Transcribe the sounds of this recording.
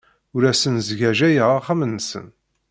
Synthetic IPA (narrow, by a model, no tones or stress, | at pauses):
ʊɾæsənzʝæʒæjəʁaχamənːsə̰n